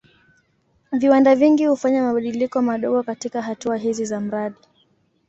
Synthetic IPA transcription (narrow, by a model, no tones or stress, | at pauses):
viwandaviŋɡihufaɲamaɓaɗilikɔmaɗɔɠɔkatikaɦatuaɦizizam̩ɾaɗi